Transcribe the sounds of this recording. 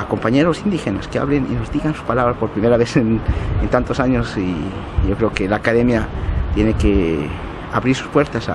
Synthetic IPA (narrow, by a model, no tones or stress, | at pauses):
ko̞mpaɲe̞ɾo̞sind̪ixe̞na̰skea̰βlenḭno̞zd̪iɣansu̥spalaβɾaspo̞ɾpɾime̞ɾaβesenent̪ant̪o̞saɲosi | ʝo̞kɾe̞okelaːkaðe̞mjat̪je̞ne̞ke | aβɾiɾsu̥spwe̞ɾt̪asa̰